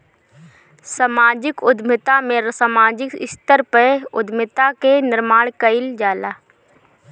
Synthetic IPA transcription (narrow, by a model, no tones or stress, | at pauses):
saːmaːd͡ʒɪkʊd̪ʱmɪt̪amẽɾsamaːd͡ʒɪkɪst̪əɾpəʊd̪mɪt̪akenɪɾmaːɽkəɪld͡ʒaːlaː